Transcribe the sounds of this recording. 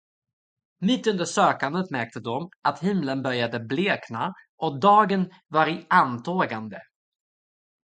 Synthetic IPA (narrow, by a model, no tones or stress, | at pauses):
mɪt̪ːɵnd̪əʂøːkand̪ət̪mæɾk̚t̪əd̪ɔmat̪hɪmlənbœɾjad̪əbleːknaʔɔkd̪ɑːɡən | vaɾɪant̪ʰoːɡand̪ə